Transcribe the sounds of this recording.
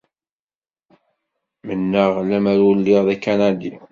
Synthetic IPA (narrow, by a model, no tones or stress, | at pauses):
mənːəʁlæmæɾwlːiʁðækːanad̪i